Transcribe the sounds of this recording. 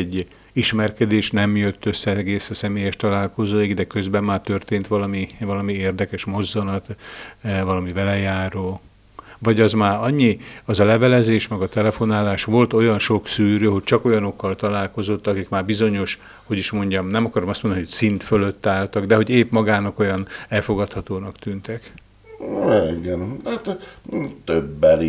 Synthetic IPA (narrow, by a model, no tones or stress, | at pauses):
ɟː | iʃmɛrkɛd̪eːʃnɛmjøt̪ːøsːɛɛɡeːsɒsɛmeːjɛʃt̪ɒlaːlko̞zoːiɡd̪ɛkø̞zbɛmːaːrt̪ørt̪eːnt̪ʋɒlɒmivɒlɒmieːrd̪ɛkɛʃmo̞zːɒnɒt̪ | vɒlɒmivɛlɛjaːɾoː | vɒɟɒzmaːɾɒɲːiɒzɒlɛvɛlɛzeːʃmɛɡɒt̪ɛlɛfo̞naːlaːʃʋo̞lt̪o̞jɒnʃo̞ksyːɾøːɦo̞c̚t͡ʃɒko̞jɒno̞kːɒlt̪ɒlaːlko̞zo̞t̪ːɒkikmaːrbizo̞ɲo̞ʃ | ho̞ɟiʃmo̞ɲɟɒmnɛmɒkɒɾomɒst̪oniːocʲsint̪føløt̪ːaːlt̪ɒɡd̪ɛɦo̞ɟeːpmɒɡaːnɒko̞jɒnɛlfo̞ɡɒt̪hɒt̪oːnɒkt̪ynt̪ɛk | iɡɛnt̪ːt̪ | t̪øbːɛli